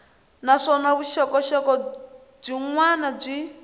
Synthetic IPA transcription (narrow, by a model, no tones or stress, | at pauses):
naʂɔnaβuʃɔkɔʃɔkɔ | b͡ʐiŋwanab͡ʐi